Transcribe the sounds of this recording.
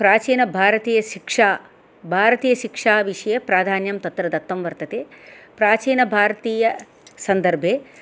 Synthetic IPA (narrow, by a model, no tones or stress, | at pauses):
pɾaːt͡ʃiːnɐbʱaːɾɐt̪iːjɐʃikʂaː | bʱaːɾɐt̪iːjɐʃikʂaːʋiʂɐjɐpɾaːd̪ʱaːnjɐmt̪ɐt̪ɾɐd̪ɐt̪ʋɐmʋɐɾt̪ɐt̪eːpɾaːt͡ʃiːnɐbʱaːɾɐt̪iːjɐ | sɐnd̪ɐɾbʱeː